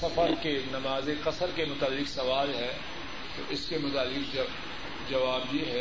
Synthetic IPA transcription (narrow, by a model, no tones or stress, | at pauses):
sɐfəɾkenɐmaːzeqɐsəɾkemʊt̪aːlːɪqsɐʋaːlɦɛ | t̪oʔɪskemʊt̪aːlːɪq | d͡ʒɐʋaːbjeɦɛ